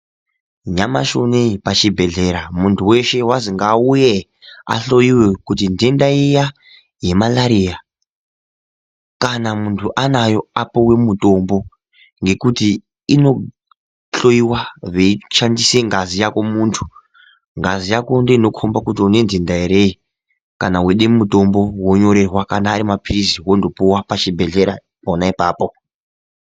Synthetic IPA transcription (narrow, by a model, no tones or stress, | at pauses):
ɲama̰ʃo̞̰neipat͡ʃibʱe̞ɮe̞ɾamuntʰuwe̞ʃe̞wasiŋɡauje | a̰ɬo̞iwekutindendaija | je̞malaɾija | kanamuntʰuʔanajo̞apowe̞muto̞mbo̞ | ŋɡe̞kuti | ino̞ | ɬo̞iwaʋeiʃandise̞ŋɡazijako̞muːntʰu̥ | ŋɡazijako̞ndeino̞kʰombakutiune̞nzindaiɾe̞i | kanaweɗemuto̞mbo̞wo̞ɲo̞ɾe̞rwakanaːɾimapʰiɾiziwo̞ndo̞puwapat͡ʃibʱe̞ɮe̞ɾa | ponaipaːpo̞